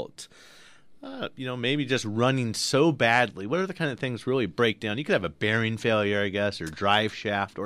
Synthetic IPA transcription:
lˠt | ʌjɨnoʊmeɪbid͡ʒʌst̚ɹʌ̃nɪ̃ŋsoʊbædˡliwʌɾə˞ðɨkʰãɪ̃ndʌv̥θɪ̃ŋzɹɪlˠibɹeɪk̚d̥ãʊ̃njɨkʰɨɾɨvɨbɛɹɪ̃nfeɪlˠjə˞aɪɡɛsə˞dɹaɪv̥ʃæftə˞

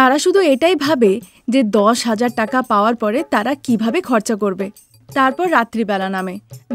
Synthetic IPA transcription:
t̪aɾaʃud̪ʱueʈajbʱabe | d͡ʑed̪ɔʃɦad͡ʑaɾʈakapaoaɾpɔɾet̪aɾakibʱabekʰɔɾt͡ɕakoɾbe | t̪aɾpɔɾːat̪ːɾibɛlaname

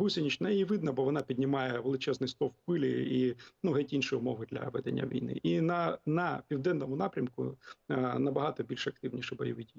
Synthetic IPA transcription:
ɦusʲɪnʲit͡ʃnɐiʋɪd̪nɐbɔʋɔn̪ɑpʲidʲnʲɪmɑjɛʋelˠɪt͡ʃɛznɪjst̪ɔwpɪlʲɪ̰inuɦɛtʲinʃɪjʊmɔʋɪd̪lʲɐ̰ʋɛd̪enʲːɐ̰ʋʲḭjnɪ̰ʔinɐnɐpʲiwd̪ɛnːɔmʊnɑpɾʲɐmkʊ̰ | nɐbɐɦɑt̪ɔbʲilʲʃɐk̚t̪ɪwnʲiʃɪbɔjɔʋɪtʲi

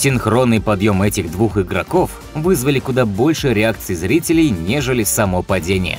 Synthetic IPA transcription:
sʲɪnxɾo̞nːɨjpɐd̪jo̞mɛtʲɪɣd̪vuxɨɡɾɐko̞f | vɨzvəlʲɪkʊd̪abo̞lʲʂɨɾʲɪakt̪sɨɪzɾʲitʲɪlʲɪjnʲeʐɨlʲɪsɐmopɐdʲenʲɪ̰jə̰

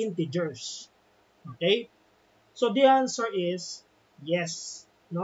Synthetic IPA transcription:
ɪnt̪ɪd͡ʒɛɹs | ʔokej | sod̪iansɛɹɪs | jɛs | no

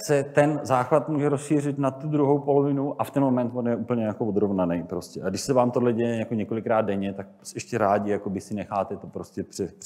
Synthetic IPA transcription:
sɛt̪ɛnzaːxvat̪muːʒɛɾosʃiːrɪt̪nat̪ːud̪ɾuɦo̞wpo̞lo̞vɪnuʔʔaft̪ɛnmomɛnt̪vonjɛʔuːpl̩ɲɛjakovod̪ɾo̞vnanɛjpɾo̞scʲɛʔaɡdɪʃsɛvaːmt̪odlɛɟɛjɛjakoɲɛko̞lɪkɾaːd̪̚dɛɲɛt̪ak̚sɛʃcɛɾaːɟɪjakobɪsɪnɛxaːt̪ɛt̪opɾo̞scɛpr̥ɛ̥

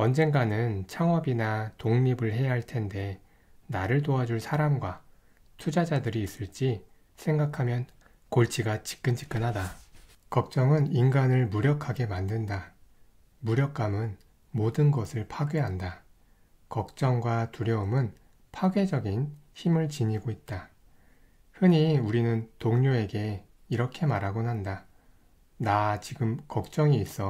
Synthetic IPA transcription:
ʌnd͡ʑe̞nɡanɯnt͡ɕʰaŋʌbinatoŋɲibɯɭɦe̞jaɦaɭtʰe̞nde̞ | naɾɯɭt̬oad͡ʑuɭsʰaɾamɡwa | tʰud͡ʑad͡ʑadɯɾiːs͈ɯɭt͡ɕ͈i | sʰe̞ŋɡakʰamjʌn | koɭt͡ɕʰiɡat͡ɕi̥k͈ɯnt͡ɕ͈ʰi̥k͈ɯnɦada | kʌk̚t͡ɕ͈ʌŋɯninɡanɯɭmuɾjʌkʰaɡe̞mandɯnda | muɾjʌk͈amɯn | modɯnɡʌsʰɯɭpʰaɡeɦanda | kʌk̚t͡ɕ͈ʌŋɡwatuɾjʌɯmɯn | pʰaɡɥe̞d͡ʑʌɡinçimɯɭt͡ɕiɲiɡoit̚t͈a | hɯɲiuɾinɯntoŋɲoe̞ɡe̞ | iɾʌkʰe̞maɾaɡonɦanda | nat͡ɕiɡɯmkʌk̚t͡ɕ͈ʌŋiːs͈ʌ

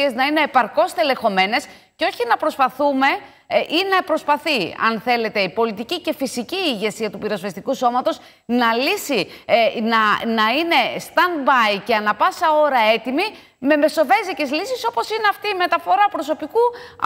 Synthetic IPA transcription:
ie̞znɐine̞ːpɐɾko̞st̪ele̞xo̞me̞ne̞s | ceoçinɐpɾo̞spɐθume̞ | ʔinɐpɾo̞spɐθiɐ̰nθe̞le̞t̪e̞ipo̞lit̪icice̞fisiciːʝe̞siɐt̪upiɾo̞svest̪ikuso̞mɐt̪o̞s | nɐlisinɐnɐine̞st̪ɐnbɐjceɐnɐpɐsɐo̞ɾɐe̞t̪imi | me̞me̞so̞ve̞zicezlisiso̞po̞sineɐft̪iːme̞t̪ɐfo̞ɾɐpɾo̞so̞piku

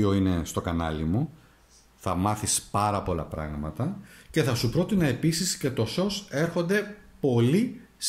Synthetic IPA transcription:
oine̞st̪o̞kɐnɐ̰limu | θɐmɐθispɐɾɐpo̞lɐ̰pɾɐ̰ɣmɐt̪ɐce̞θɐsupɾo̞t̪inɐe̞pisisce̞t̪o̞so̞se̞ɾxo̞nd̪e̞po̞li | s

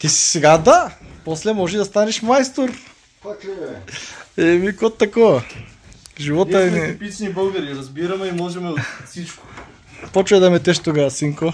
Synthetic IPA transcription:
t̪isi̥sɛɡad̪aposlɛmɔʒid̪ɐst̪anɛʃmajst̪oɾ | ɛmikot̪ːakoa | ʒivɔt̪aɛpit͡ʃnibəlˠɡɐɾiɾɐzbiɾɐmɛimɔʒɛmɛosit͡ʃko̥ | pot͡ʃɛd̪ɐmɛt̪ɛʃt̪ukasiŋko

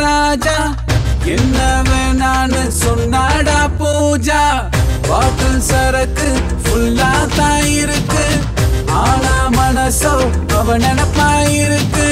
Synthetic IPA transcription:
ɾaːd͡ʒaː | ɛnːɐʋeːnaːnɯsɔnːaːɽaːpuːd͡ʒaː | paːʈɯlsɐɾɐkːɯ | fʊlːaːt̪ãːjɪɾɯkːɯ | aːnaːmɐnɐso | ɐʋɐnɛnɐpːaːjɪɾɯkːɯ

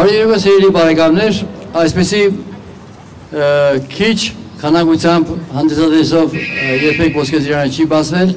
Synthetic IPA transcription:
ɑɾjɛɾkəsiɾɛlipɑɾɛɡɑjumnɛɾɑjspisi | kʰit͡ʃʰkʰɑnɑkut͡sʰjɑmbhɑnd̪ɛsɑd̪ɛsɔvjɛɾpʰɛkvɔskɛziɾɑnət͡ʃʰibɑt͡sʰvɛl

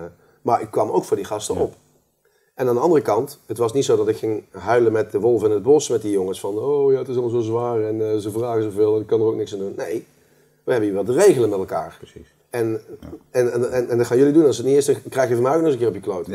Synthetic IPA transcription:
maːɹʔɪkːʋɑmo̰wkfʊːɹdiχɑstəʔɔp | ɛnaːndəɑndərəkɑntɦətʋɑsnitsowdɑtɪkχɪŋɦœɥləmɛt̚dəʋɔlˠvɪnəd̚bɔsmɛt̚dijoŋəsfɑnowjaːətɪs̬ɑlˠmlzozʋaːrɛnzəvraːɣəzovɪːlˠənɪkːɑnərowk̚nɪksandunːej | ʋəɦɛbəniːɹʋɑlˠdərejɣələnmɛtɛlˠkaːɹ | ɛnɛnɛnɛndɑtχxaːnjɵlidunɛnɪsətnitɪːɹstəkrɛjxjəvɔmɛjok̚nɔχzənkɪːɹrɔpjəklowt

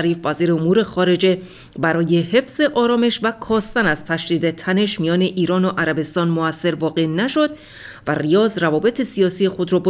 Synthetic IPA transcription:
ɾiːfvæziːɾeomuːɾe̞xɒːɾe̞d͡ʒe̞ | bæɾɒːjehe̞fz̥e̞ʔɒːɾɒːme̞ʃvækʰɒːst̪ænæz̥t̪ʰæʃd̪iːd̪et̪ʰæne̞ʃmijɒːne̞ʔiːɾɒːnoʔæɾæbe̞st̪ɒːnmoæsːe̞ɾvɒːɣe̞næʃo̞d̪ | værijɒːzrævɒːbe̞t̪ʰe̞siɒːsijexo̞d̪ɾɒːb

